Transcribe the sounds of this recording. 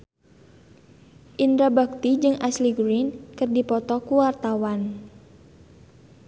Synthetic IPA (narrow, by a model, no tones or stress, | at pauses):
ʔind̪ɾabak̚t̪id͡ʒɨŋʔasliɡɾinkɨrdipɔt̪ɔkuwart̪awan